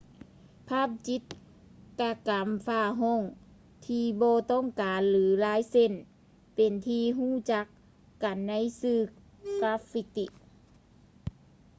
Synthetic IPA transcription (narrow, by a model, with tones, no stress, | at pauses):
pʰaː˥˨p̚t͡ɕi˧˦˥t̪̚ | ka˧ka˨˦mfaː˧˩ɦo˧˥˨ŋ | t̪ʰiː˧bɔː˧t̪ɔ˥˨ŋkaː˨nlɯː˩˦laː˧˥jse˧˥˨n | pe˨˩nt̪ʰiː˧ɦuː˧˥˩t͡ɕa˧˦˥kː | a˨˩nːa˧˥˨jsɯː˧˩ | ka˧˥fi˧t̪i˧ʔ